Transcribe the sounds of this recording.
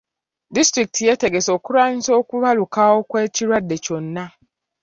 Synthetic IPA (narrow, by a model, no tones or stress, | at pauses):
distɾik̚tʰijeteɡesokuɾan̩sokuβalukaokwet͡ʃiɾadːet͡ʃon̩nːa